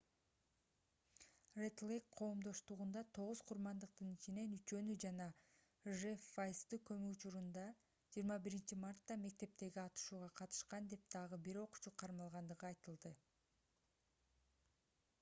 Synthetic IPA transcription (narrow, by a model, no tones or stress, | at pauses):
ret̪lʲˠekqʰo̞ːmd̪o̞ʃt̪uʁund̪ɑt̪ʰo̞ʁuz̥qʰuɾmɑnd̪ɯq̚t̪ɯnit͡ʃine̞nyt͡ʃø̞nyd͡ʒɑnɑ | ʒefajst̪ɯkø̞myut͡ʃuɾund̪ɑ | d͡ʒiːɾmɑbiɾint͡ʃimɑrt̪ːɑme̞k̚t̪e̞p̚t̪e̞ɡiɑt̪ɯ̥ʃuːʁɑqʰɑt̪ɯ̥ʃqɑnd̪e̞p̚d̪̥ɑʁɯbiɾo̞qu̥t͡ʃuqʰːɑɾmɑlˠʁɑnd̪ɯʁɯɑjt̪ɯlˠd̪ɯ